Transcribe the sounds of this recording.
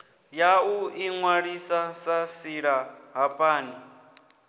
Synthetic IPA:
jauiŋwaɺisasasiɺaɦapʼaːni

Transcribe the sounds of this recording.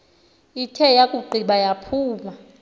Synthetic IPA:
itʰɛjakʼuɡ͡ǃʱiɓajapʰuːma

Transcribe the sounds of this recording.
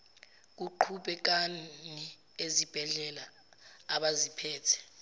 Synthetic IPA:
k̬uǃʰuɓɛk̬ani | ezib̥ʱɛɮɛlaː | ɓazipʰɛːtʰɛ̥

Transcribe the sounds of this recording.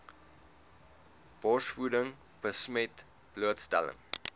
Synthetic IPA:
b̥ɔsfudəŋ | b̥əsmɛt | b̥luətstæ̰lə̰ŋ

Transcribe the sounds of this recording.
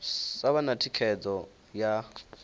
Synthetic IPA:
saβanatʰikʰɛd͡zʼɔ | ja

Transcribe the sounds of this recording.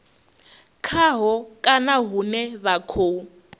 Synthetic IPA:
kʰaɦɔkʼanaɦunɛβakʰoːu

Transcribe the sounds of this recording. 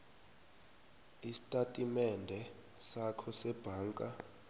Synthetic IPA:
isi̥tʼatʼimɛndʱɛ | sakʰɔsɛb̥ʱaːŋkʼa

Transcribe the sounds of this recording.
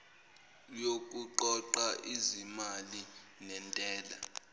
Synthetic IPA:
jokʼuǃɔǃaʔizimali | nɛntʼɛːla

